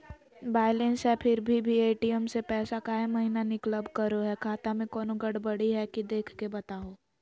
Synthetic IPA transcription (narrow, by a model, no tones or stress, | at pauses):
baːɪlẽnsɛpʰɪɾbʱibʱieːʈiəmsepɛːsakaːɦemɐɦinanɪkləbkɐɾoɦɛkʰaːt̪amẽkɔːnoɡɐɽbɐɽiɦɛkid̪eːkʰkebɐt̪aːɦoː